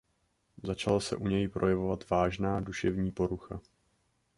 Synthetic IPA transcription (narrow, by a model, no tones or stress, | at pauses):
zat͡ʃalasɛ̰ʔuɲɛjpɾʔo̞jɛvo̞vat̪vaːʒnaːduʃɛvɲiːpo̞ɾuxa